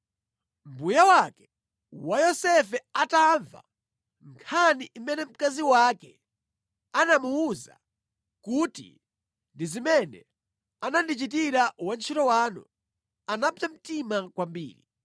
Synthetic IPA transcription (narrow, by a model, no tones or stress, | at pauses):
m̩bujawakɛ̥ | wajɔsɛfɛataɱva̰ | ŋkʰaniʔimɛnɛm̩kaziwakɛ | anamuuza̰ | kuːtḭ | ndizimɛnɛ̰ | anandit͡ʃitiɾawant͡ʃʰitɔwaːnṵ | anapam̩timakwambḭːɾi